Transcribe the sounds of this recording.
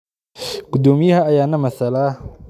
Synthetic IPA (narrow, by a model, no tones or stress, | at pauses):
ɡ̥ʊd̪ɔːmɪjɐɦɐɐjaːnɐmɐsɐlaː